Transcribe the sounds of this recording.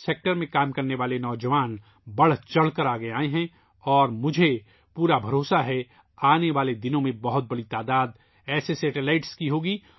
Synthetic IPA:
seːk̚ʈəɾmẽkaːmkɐɾneʋaːlenɔːd͡ʒɐʋaːn | bɐɽ̤t͡ʃɐɽ̤kəɾaːɡeaːeɦɛ̃ | ɔːɾmʊd͡ʒʱe | puːɾabʱɐɾoːsaɦɛ | aːneʋaːled̪ɪnõmẽbɐɦʊt̪̚bɐɽit̪aːd̪aːd̪ | ɛːsesɛːʈelaːɪʈskiɦoːɡiː

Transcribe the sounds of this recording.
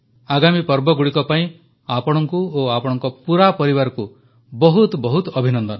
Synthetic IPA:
aɡamipɔɾbɔɡuɽikɔpaĩ | apɔɽ̃ɔŋkuoapɔɽ̃ɔŋkɔpuɾapɔɾiβaɾɔku | bɔɦut̪bɔɦut̪ɔbʱinɔnd̪ɔn

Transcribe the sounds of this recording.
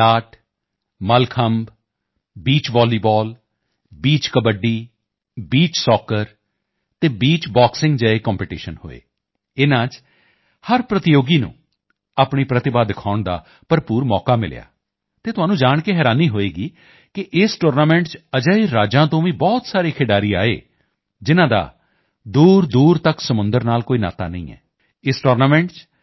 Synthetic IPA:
laːʈ | məlkʰəmb | biːt͡ʃʋɔːliːbɔːl | biːt͡ʃkəbəɖiː | biːt͡ʃsɔːkəɾ | t̪eːbiːt͡ʃbaːksɪ̃ŋɡd͡ʒəːekɔːmpeːʈiːʃənho̰ːḛː | ɪnãːt͡ʃ | həɾpɾət̪ɪjoːɡiːnṵ̃ː | aːpɳiːpɾət̪ɪbaːd̪ɪkʰaːʊɳd̪a̰ː | pəɾpuːɾmɔːkaːmɪ̰lja̰ː | t̪eːt̪ʊɦaːnũːd͡ʒaːɳkeɦɛːɾaːniːɦoːeːɡiː | kɪʔɪsʈoːɾnaːmɛ̃ːɳʈt͡ʃəd͡ʒəːiɾaːd͡ʒãːt̪õːʋĩːbɔːt̪saːɾeːkʰeːɖaːɾiːa̰ːḛː | d͡ʒɪnãːd̪a̰ː | d̪uːɾd̪uːɾt̪əksəmʊ̃nd̪əɾnaːlkoːiːna̰ːt̪aːnəḭ̃ːɛ̰ː | ɪsʈoːɾnaːmɛ̃ːɳʈt͡ʃ

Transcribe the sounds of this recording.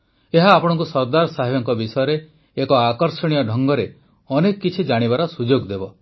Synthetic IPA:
eɦaːpɔɽ̃ɔŋkusɔɾd̪aɾɔsaɦibɔŋkɔbisɔjɔɾeː | kɔakɔɾsɔɽ̃ijɔɖʱɔŋɡɔɾe | ɔnekɔkːit͡ʃʰid͡ʒaɽ̃ibaɾɔsud͡ʒoɡd̪ebɔ

